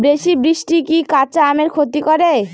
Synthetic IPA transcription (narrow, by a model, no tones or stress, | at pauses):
bɾeʃibɾiʃʈikikat͡ɕaameɾkʰot̪ikɔɾe